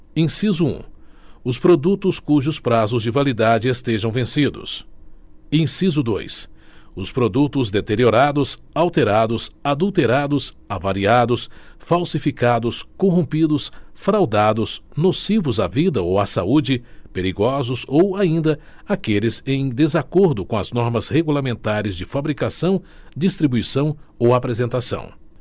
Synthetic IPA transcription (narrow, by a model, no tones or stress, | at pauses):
ẽsizʊṵ̃ʊspɾod̪ut̪ʊskuʒʊspɾazʊzd͡ʒɪvalid̪ad͡ʒɪest̪eʒɐ̃w̃vẽsid̪ʊ̰s | ẽj̃sizʊd̪o̰jsʊspɾod̪ut̪ʊzd̪et̪eɾioɾad̪ʊs | awt̪eɾad̪ʊsad̪ut̪eɾad̪ʊs | avaɾiad̪ʊsfawsifikad̪ʊskõɦõpid̪ʊsfɾawd̪ad̪ʊsnosivʊzavid̪ɐowasaud͡ʒɪpeɾiɡɔzʊzowaĩnd̪ɐ | akelɪzẽj̃d̪ezakoɾd̪ʊkõɐznɔɾmɐzheɡulamẽnt̪aɾɪzd͡ʒɪfabɾikasɐ̃w̃ | d͡ʒist̪ɾibuisɐ̃w̃owapɾezẽnt̪asɐ̰̃w̃